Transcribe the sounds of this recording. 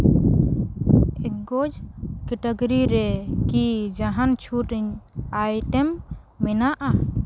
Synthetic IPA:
ɛkɡod͡ʒkeʈəɡɾiɾɛkid͡ʒaɦant͡ʃʰuʈɛɲajʈɛmː | ɛnaʔa

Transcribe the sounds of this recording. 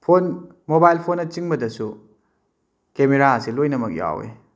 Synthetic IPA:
pʰon | mobajlpʰonːɐt͡ʃiŋbɐdɐsu | kemeɾaɐsilojnɐmɐk̚ja̰wḛ

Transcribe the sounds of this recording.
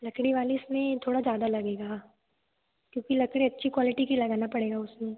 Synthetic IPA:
lɐkɽ̃iʋaːliʊsmẽt̪ʰoːɽazjaːd̪alɐɡeːɡa | kjõːkilɐkɽ̃iɐtːʃʰikwɔːlɪʈikilɐɡaːnapɐɽeːɡaʊsmẽ

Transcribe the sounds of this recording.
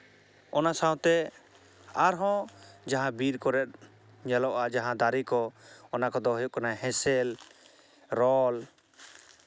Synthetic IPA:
ɔnasaw̃t̪ɛ | aɾɦɔ̃d͡ʒaɦãbiɾkɔɾɛt̪̚ | ɲalɔʔad͡ʒaɦãd̪aɾikɔɔnakɔd̪ɔɦɔjuʔkanaɦɛ̃sɛl | ɾɔl

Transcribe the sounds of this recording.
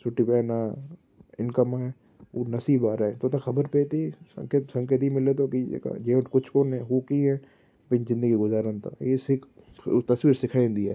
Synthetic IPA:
sʊʈːipena | ɪnkəmaɦɛ | onɐsiːbaːɾaɛ̃t̪ot̪axʰɐbəɾpeːt̪isɐ̰̃ŋkət̪sɐ̃ŋkət̪ɦimɪlet̪̬okiḛka̰d͡ʒeːkʊt͡ʃʰkonɛ̃ɦokiɦɛ̃ː | bɪnzɪ̃nd̪əɡiɡʊzaːɾənt̪a̰ːjesɪk | t̪ɐsʋiːɾsɪkʰaːẽnd̪ia

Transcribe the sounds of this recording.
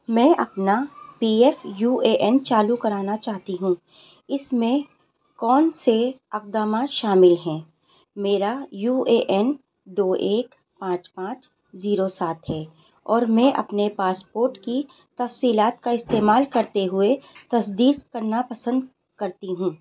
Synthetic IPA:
mɛ̃ːʔɐpnapiːɛfjuːeːʔɛnt͡ʃaːlukɐɾaːnat͡ʃaːɦt̪iɦũː | ɪsmẽ | kɔːnseɐq̚d̪aːmaʃaːmɪlɦɛ̃ː | meːɾajuːeʔɛn | d̪oːʔeːk | pãːt͡ʃpãːt͡ʃ | ziːɾosaːt̪ɦɛː | ɔːɾmɛ̃ːʔɐ̰pnepaːspoːɾʈki | t̪ɐfsiːlaːt̪̚kaɪst̪eːmaːlkɐɾt̪eɦʊet̪ɐs̬d̪iːqkɐɾnapɐsə̃nd̪ | kɐɾt̪iɦũː

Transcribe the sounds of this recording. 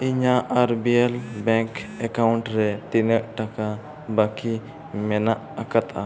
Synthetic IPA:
iɲaʔːɾbielbɛŋkɛkawɳʈɾɛt̪inəʔʈaka | baki | mɛnaʔakat̪a

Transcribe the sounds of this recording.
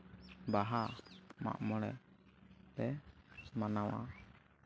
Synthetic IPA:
baɦama̰ʔmɔɽɛ̰ʔ | t̪ɛmanawa̰

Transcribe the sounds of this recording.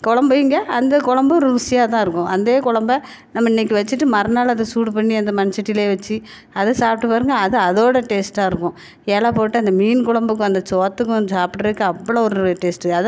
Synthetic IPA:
kɔɻɐmbɐɪŋɡɐɐnd̪ɐkʊɻɐmbɐɾʋʊsɪjaːt̪ãːɪɾɯkːʊ̃ʔɐnd̪eːkʊɭɐmbɐ | nɐmːɐɪnːɛk̬ːɯʋɐt͡ʃːɯʈːɯmɐɾɐnaːlɐðdɐsuːʈpɐɳːiɐnd̪ɐmɐnɪsɐʈːɪleːʋɐt͡ʃːɯ | ɐðɐsaːp̚ʈːɯpaːɾɯŋɡɐːðɯɐðoːɽɐʈeːsʈːãːɪɾɯkːʊ̃ | eːlaːpoːʈːɯɐnd̪ɐmiːnkʊɭɐmbɯkːɯ̃ɐnd̪ɐt͡ʃoːt̪ːɯkːʊ̃saːpʈɐɾɯkːɯɐpːɐɭoɔɾɯʈeːsʈɐð

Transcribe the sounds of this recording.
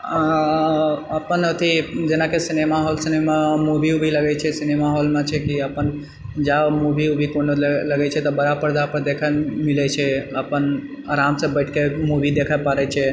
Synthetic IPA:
əpənot̪ʰid͡ʒenakesinemaɦolsinemamubʱiubʱiləɡɛt͡ʃʰɛsinemaɦolmẽt͡ʃʰɛkiəpən | d͡ʒamubiubʱikonləɡɛt͡ʃʰɛt̪ɔbəɾapəɾd̪apəɾd̪ekʰəmilɛt͡ʃʰɛəpən | aɾamsẽbəɪʈʰkemubʱid̪ekʰəpaɾɛt͡ʃʰɛ

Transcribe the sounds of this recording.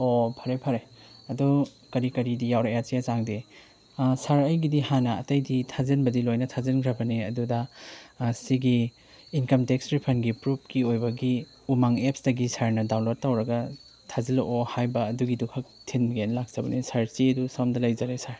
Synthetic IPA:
opʰɐɾepʰɐɾeɐdɔ | kɐɾikɐɾidijawɾajat͡ʃijat͡ʃaŋde | saɾɐjɡidihanɐɐtɐjditʰazɐnbɐdilojnɐtʰazɐnkʰɾɐbɐniɐdudɐ | siɡiː | nkɐmtekstɾipʰɐnɡipɾup̚ʰkiojbɐɡi | umaŋepsdɐɡisaɾnɐdaw̃lot̚ːawɾɐɡɐ | tʰazilʔohajbɐːduɡidukʰɐk̚tʰinbɡenlak̚sɐbɐnisaɾsiɐdusamdɐlɐjzɐɾesaɾ

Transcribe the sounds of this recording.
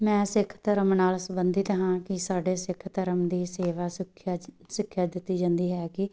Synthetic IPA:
mɛ̃ːsɪkʰt̪əɾəmnaːlsəbənd̪iːt̪əɦãːkɪsaːɖeːsɪkʰt̪əɾəmd̪iːseːʋaːsɪkʰ | sɪkʰːjaːd̪ɪt̪ːiːd͡ʒãːnd̪iːɦɛːkɪ

